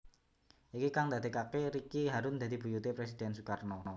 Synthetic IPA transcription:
ʔikikaŋd̪a̤d̪e̤kakeɾikiɦaɾʊnd̪a̤d̪̥i̤b̥ṳjut̪epɾes̬id̪̥ɛnsukarnɔɔ

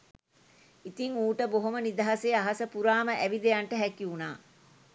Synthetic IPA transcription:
it̪iŋuːʈəboɦomənid̪ɐɦɐseːaɦɐsəpuɾaːməʔæʋid̪ejɐɳʈəɦɛkiunaː

